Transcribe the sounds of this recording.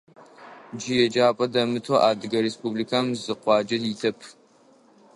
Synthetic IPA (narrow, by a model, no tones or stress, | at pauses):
d͡ʒijɛd͡ʒaːpʼɐdɐmɨtʰoʔaːdɨɡɐɾespʰublikʰamzɨqʷɑːd͡ʒɐditʰɐpʰ